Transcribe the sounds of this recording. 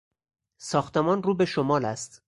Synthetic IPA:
sɒːxt̪emɒːnruːbe̞ʃomɒːlæst̪

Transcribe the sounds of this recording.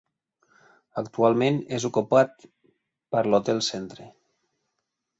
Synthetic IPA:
əkt̪ualˠmẽnezukupat̪̚ | pəɾlot̪elˠsent̪ɾe

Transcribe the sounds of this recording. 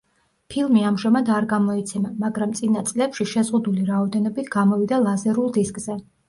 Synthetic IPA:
pʰilˠmiamʒamad̪aɾɡamɔit̪sʰɛmamaɡɾamt̪sʼinat̪sʼlɛpʃiʃɛzʁud̪uliɾaɔd̪ɛnɔbit̪ʰɡamɔvid̪alˠazɛɾulˠd̪iskʼz̥ɛ

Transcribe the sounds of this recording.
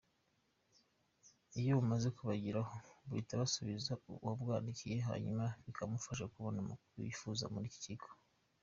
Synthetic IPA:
ijoβumaze̞kuβaɟiɾahoβuitaβasuβizawabɡwaːndicije̞ɦa̰ɲumaβikʰamufaʃakuβonumṵkuɾṵjḭfuːza̰muɾici̥cikʰo̥

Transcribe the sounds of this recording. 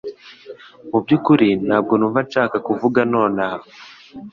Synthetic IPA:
mub̚ɟukuɾinaːb̚ɡonuvat͡ʃaːkakuvuɡano̞ːna

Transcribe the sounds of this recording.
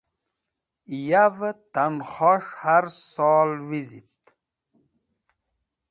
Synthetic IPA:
javt̪anχɔʂhaɾsɔːlwizit̪

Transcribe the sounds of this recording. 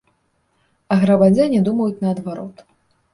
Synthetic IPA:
ɐɣɾɐbad͡zʲanʲɛd̪umɐjut͡sʲnɐːd̪vaɾɔt̪

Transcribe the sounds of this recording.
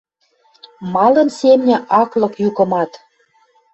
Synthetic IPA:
mɑlə̆nsemnʲĕʔɑklɤ̆kjukə̆mɑt̪

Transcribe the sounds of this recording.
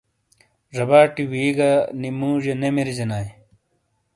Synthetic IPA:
ʐɐbaːʈiwiːɡanimuːʑenemiɾizenaːj

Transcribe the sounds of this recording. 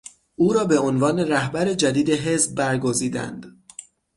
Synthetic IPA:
ʔuːɾɒːbe̞onvɒːne̞ɾæhbæɾe̞d͡ʒæd̪iːd̪e̞ɦe̞sb̚ːæɾɡo̞ziːd̪æ̰nd̪̥

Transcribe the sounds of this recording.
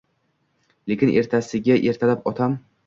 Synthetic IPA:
lekʲɪnʔe̞̰ɾt̪ʰasɪɡʲaʔe̞ɾt̪ʰalapɒt̪ʰam

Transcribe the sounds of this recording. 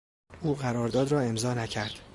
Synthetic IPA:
uːɣæɾɒːɾd̪ɒːd̪ɾɒːe̞mzɒːnæcʰæɾd̪̥

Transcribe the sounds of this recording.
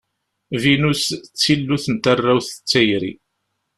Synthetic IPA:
vinust͡sːilːuθənt̪arːæwθə̥t͡sːæjɾi

